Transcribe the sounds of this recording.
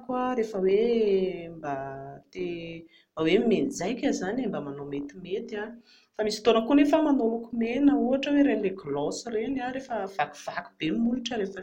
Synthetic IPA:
kwaɾefəwe | mbat̪e | mbawemend͡zajkʲazanambəmanomet̪imet̪a | famisi̥t̪onəkunefəmanolukumenəuaʈ͡ʂəweɾenileɡlɔsirenaɾefəv̥aku̥v̥aku̥b̥emuiʈ͡ʂəɾefə

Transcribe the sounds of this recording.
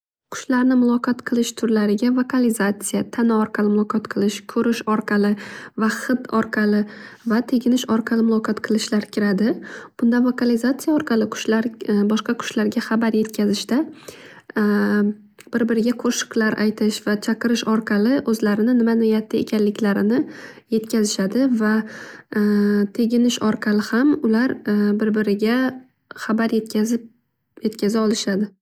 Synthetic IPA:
qʰʊ̥ʃlaɾnɪmʊlˠɒqɑt̪qʰɨlˠɪʃt̪ʰʊɾlaɾɪɡʲavokʰalizat̪sijat̪ʰanɒɒɾqʰɑlɪmʊlˠɒqʰɒt̪qʰɨlˠɪʃkʲʰɵɾɪʃɒɾqʰɑlɪvaχɨt̪ɒɾqʰɑlɪ | vat̪ʰeɡʲɪnɪʃɒɾqʰɑlˠɪmʊlˠɒqʰɒt̪qʰɨlˠɪʃlaɾkʲʰɪɾad̪ɪb̥ʊnd̪anvokalizat̪sijaɒɾqʰɑlˠɪqʰʊ̥ʃlaɾbɒʃqɑqʰʊ̥ʃlaɾɡʲaχɑbaɾje̞t̪kʲʰazɪʃt̪a | b̥ɪɾbɪɾɪɡʲaqʰoʃɪ̥qlaɾʔa̰jt̪ʰɪʃvat͡ʃʰaqʰɨɾɪʃɒɾqʰɑlɪʔɵzlaɾɪnɪnɪmanojat̪ʰːaḛkʲʰanlɪkʲlaɾɪnɪje̞t̪kʲazɪʃad̪ɪva | t̪ʰe̞ɡʲɪnɪʃɒɾqʰɑlɪhamʊlaɾbɪɾbɪɾɪɡʲa | χabaɾjet̪ʲ | je̞t̪kʲʰazaɒlˠɪʃad̪ɪ

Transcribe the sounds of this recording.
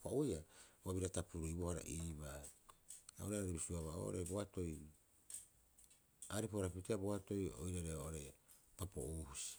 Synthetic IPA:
paojaaβiɾatapuɾuibohaɾa̰ʔiːβae | aoɾaɾaɾibisuaβaʔo̰ʔo̰ɾejboato̞j | aɾipoɾapiiteaboato̞jo̰jɾaɾeoʔoɾeja | papo̞̰ʔohusi̥

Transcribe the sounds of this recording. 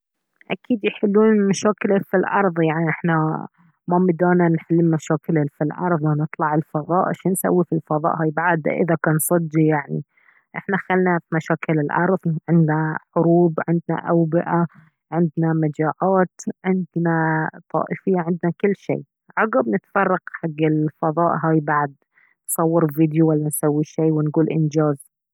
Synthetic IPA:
ʔa̰kʰiːd̪jħɪlːuːnmaʃaːkɪlfilʔɑɾˤðˤjaʕniʔɪħna | mamɪd̪aːnanħalːimaʃaːkɪlafilʔɑ̰ɾˤðˤwanɨt̪ˤlɑʕɪlfɑðˤɑːʔʃinsa̰wːifilfɑðˤɑ̰ːʔhaːjbaʕad̪a̰ʔɪ̰ðakaːnsˤɨd̪ːijaʕnḭ | ʔɪħnaxalnafimaʃaːkɪlɪlʔɑ̰ɾˤðˤʕɪnd̪naħʊɾuːbʕɪnd̪na̰ʔawbɪʔa | ʕɪnd̪namad͡ʒaːʕaːt̪ʕɪnd̪nat̪ˤɑ̰ːʔɪfɪjːaʕɪnd̪nakɪlːʃḛː | ʕɑɣabnɪt̪fɑrˤːɑqħaɡːɪlfɑðˤɑːʔɦaːjbaʕd̪̚ | nsˤɑwːɪɾviːd̪juwalːansawːiʃeːwɪnɡuːlʔɪ̰nd͡ʒaːz

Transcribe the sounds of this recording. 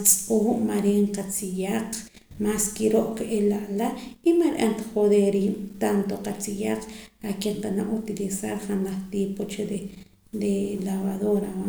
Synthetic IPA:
t͡sʼpowuʔmaɾeɴqat͡sijaq͡χ | maskiɾoʔkʔelaʔlaimaɾʔant̪ḁχoðeɾint̪ant̪oqat͡sijaq͡χakeɴqanaʔut̪ilisaɾχanaχt̪ipot͡ʃeɾe | ɾelaβaðoɾawa

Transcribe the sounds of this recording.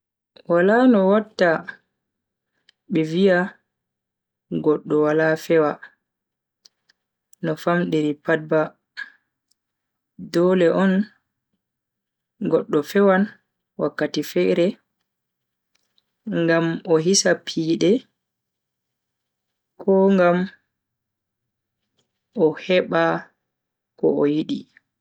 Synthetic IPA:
walanɔwatːa | ɓɛvia | ɡɔɗːɔwalafɛwa | nɔfamɗeɾipad̚ba | dɔlɛʔɔn | ɡɔɗːɔfɛwan | wakːatifɛɾɛ | ŋɡamɔɦisapʰiːɗɛ | kʰɔŋɡam | ʔɔhɛɓa | kɔ̰ɔjiɗi

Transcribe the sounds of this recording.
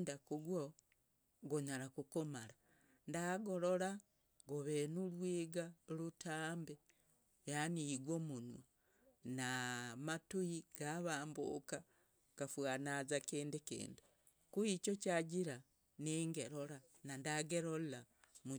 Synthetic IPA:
dakuɡwo | ɡoɲaɾakukomala | ndaɡo̞ɾo̞la | ɡoβenulwiːɡalutʰaːmbe | janiiɡwomunwa | namatuiɡ̥aβaːmbṵka | kafwanazakiːndikḭːndi | kuit͡ʃocaɟiɾa | niːŋɡeɾola | nandaɡeɾolla | mu

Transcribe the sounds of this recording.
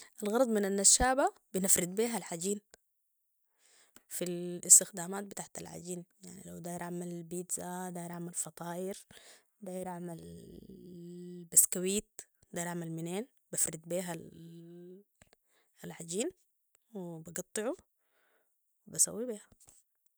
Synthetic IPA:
ʔalɣɑɾˤɑd̪ˤmɪnanːaʃaːba | bɪnɪfɾɪd̪̚biːɦalħaɟiːn | filɪst̪ɪxd̪aːmaːt̪̚bɪt̪aħt̪a̰lʕa̰ɟiːnjaʕnḭlawd̪aːjɾʔaʕmalbiːd̪zad̪aːjɾʔaʕmalfɑt̪ˤɑːʔɪɾ | d̪aːjɪɾʔaʕmal | baskawiːt̪̚d̪aːjɾʔaʕmalmɪneːn | bafɾɪd̪biːɦa | alʕaɟiːn | wɪbaɡɑt̪ˤːɨʕu | wɪbasa̰wːibiːha

